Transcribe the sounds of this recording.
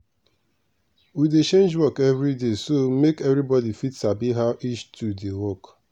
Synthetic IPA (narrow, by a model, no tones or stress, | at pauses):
widet͡ʃẽnd͡ʒwɔkɛvɾidesomekɛvɾibɔdifitsabiɦaʔit͡ʃtʰudewɔk